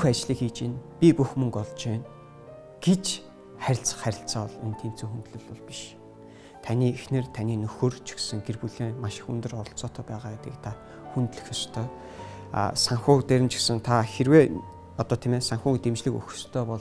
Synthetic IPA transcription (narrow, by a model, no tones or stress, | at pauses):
xat͡ɕɮiːkiːt͡ɕeːnpʲipuxmɵŋkɔɮt͡ɕeːn | ɡ̥et͡ɕ | χæɾʲɪ̆ɬt͡s̆χæɾʲɪ̆ɬt͡saːɔɮen̥t̪ʰeːn̥t͡sʰuːxunt̪ɮɵ̆ɮɔɮpi̥ʃ | t̪ʰaniːexnɘ̆rt̪ʰaniːnɵxɵ̆rt͡ɕʰi̥xsɘ̆ŋɡerpuɮeːmaʃɪ̥̆xunt̪ɵ̆rɔɞ̆ɬt͡sɔːt̪ʰœːpæːʁaːket̪ɡḭ̆kt̪ʰa | xunt̪ɮɘ̆xʲɔst̪ʰœ̰ː | saŋxʊːkt̪eɾɪ̆mt͡ɕʰi̥xsɘ̆ŋt̪ʰaxerweː | ɔt̪ɔːt̪ʰemæːsaŋxuːŋt̪emt͡ɕɮɘ̆kɵ̰xst̪ʰœːpɔɮ